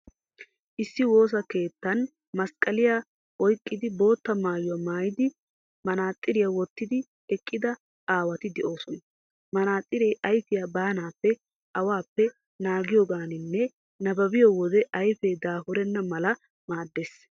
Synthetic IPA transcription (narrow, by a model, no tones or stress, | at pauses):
ʔɪsːɪwo̞ːs̬ɐke̞ːt̪ːɐn | mɐskʼːɐlɪja | ɔjkʼːɪd̪ɪbo̞ːt̪ːɐmaːjʊwɐmaːjɪd̪ɪ | mɐnaːt̪ʼːɪɾɪjawɔt̪ːɪd̪ɪ | ɛkʼːɪd̪ɐ | aːwɐt̪ɪd̪ɛʔo̞ːsɔn | mɐnaːt̪ʼːɪɾɛjʔɐjfɪjabaːnaːpːɛ | ɐwaːpːɛ | naːɡɪjɔɡaːnɪnːɛ | nɐbɐbɪjɔwɔd̪ɛʔɐjfɛd̪aːfʊɾɛnːɐmɐlɐ | maːd̪ːeːs